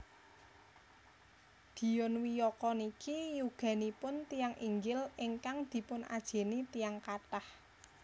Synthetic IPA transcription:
d̪̥i̤jɔnwijɔkɔnikʰijuɡ̥a̤nipʊnt̪ijaŋʔḭŋɡɪliŋkaŋd̪̥i̤pʊnʔa̰d̥ʒ̥e̤nit̪ijaŋkat̪ah

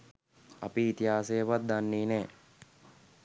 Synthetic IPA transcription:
a̰piːt̪iɦaːsejəʋat̪̚d̪anːiːnɛː

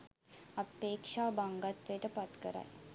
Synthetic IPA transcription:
ɐpeːkʂaːbaŋɡat̪ʋejʈəpɐt̪kəɾa̰j

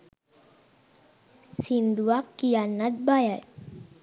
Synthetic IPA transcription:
sind̪uakːianat̪̚baja

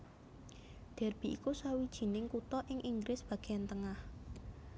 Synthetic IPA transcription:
d̪̥ɛ̤rb̥i̤ʔikusawid̥ʒ̥i̤nɪŋkut̪ɔʔɪŋʔiŋɡɾɪsb̥ä̤ɡ̥eant̪əŋah

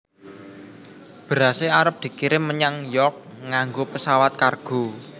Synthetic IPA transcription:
b̥əɾaseaɾəp̚d̪̥i̤kiɾɪmːəɲaŋjɔk̚ŋaŋɡopəsawat̪̚karɡ̥o̤

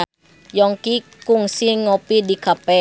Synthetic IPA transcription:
jɔŋkikuŋsiŋopidikapɛ

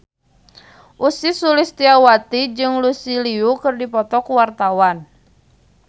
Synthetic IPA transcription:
ʔusisulɪst̪iawat̪id͡ʒɨŋlusiliukɨrdipɔt̪ɔkuwart̪awan

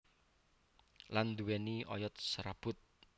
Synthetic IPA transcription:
land̪uweniɔ̰jɔt̪̚sɾab̥ʊt̪̚

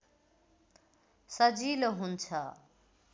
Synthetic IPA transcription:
sʌd͡ziloɦunt͡sʰʌ

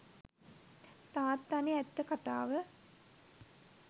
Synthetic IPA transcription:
t̪aːt̪ːaniɛt̪ːəkat̪aːʋə

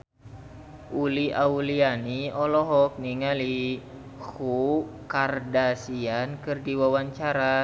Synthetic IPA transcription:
ʔuliʔaulianiɔlɔɦɔk̚niŋali | hukardasiankɨrdiwawaɲt͡ʃaɾa

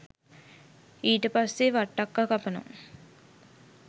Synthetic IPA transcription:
iːʈəpasːeʋaʈːakːakapənṵŋ

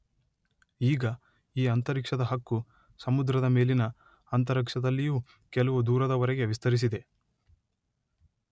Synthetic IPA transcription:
iːɡɐ | iːɐnt̪ɐɾikʂɐd̪ɐɦɐkːu | sɐmud̪ɾɐd̪ɐme̞ːlinɐː | nt̪ɐɾɐkʂɐd̪ɐlːijuː | kɛlɐʋud̪uːɾɐd̪ɐʋɐɾɛɡe̞ʋist̪ʰɐɾis̬id̪e̞

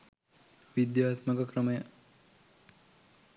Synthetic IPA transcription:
ʋid̪jaːt̪məkəkɾəməjə

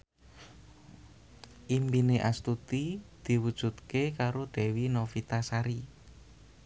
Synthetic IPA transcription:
ʔimbineʔast̪ut̪id̪̥i̤wud̥ʒ̥ṳt̪̚kekaɾod̪̥ɛ̤winofit̪asaɾi

